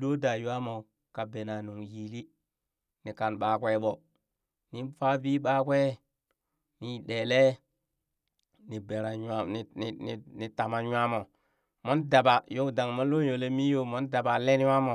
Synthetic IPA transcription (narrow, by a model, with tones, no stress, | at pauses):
do˦da˨ju˦a˦mo˨ | ka˨be˨na˨nu˨ŋjiː˨li˦ | ni˨ka˨nɓa˨kʷe˦ɓo˨ | ni˦fa˦biː˦ɓa˦kwe˦ | ni˨˦˨ɗe˨le˦ | ni˨be˨ɾa˨ja˦n˨i˨ni˨ni˨ta˨ma˨jwa˦mo˨ | mo˦nda˨ba˨jo˦da˨ŋmo˦lo˦jo˨le˦mi˦jo˦mo˦nda˨ba˨le˦n˦a˦mo˨